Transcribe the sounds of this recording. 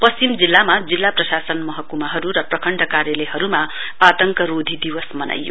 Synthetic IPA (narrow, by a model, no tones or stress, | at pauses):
pʌst͡simd͡zilːamad͡zilːaprʌsasʌnmʌɦʌkːumaɦʌɾuɾʌprʌkʰʌɳɖʌkaɾjʌleɦʌɾuma | at̪ʌŋkʌɾod̪ʱid̪iwʌsmʌna̰jːo̰